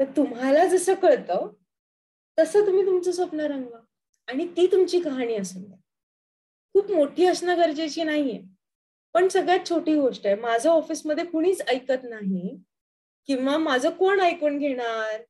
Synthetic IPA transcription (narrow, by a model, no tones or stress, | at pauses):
t̪əɾt̪umɦalad͡zəsəːkəɭt̪ə | t̪əsəːt̪um̤iːt̪umt͡səsəpnəɾəŋɡla | aɽ̃it̪iːt̪umt͡ɕiːkəɦaɽ̃iːəsənt̪ | kʰuːpmoʈʰiːəsnəɡəɾd͡ʑet͡ɕiːnaɦije | pəɳsəɡɭjat̪̚t͡ɕʰoʈiːɡoʂʈemad͡zʱəɔfiːsməd̪ʱːjekoɽ̃iːt͡səjkət̪naɦi | kĩw̃ʋamad͡zʱəkoɳəjkoɳɡʱeɽ̃aɾ